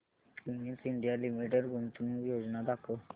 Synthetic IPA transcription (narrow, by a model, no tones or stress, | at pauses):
iŋisiɳɖijalimiʈeɖɡʱunt̪unũjod͡znad̪akʰə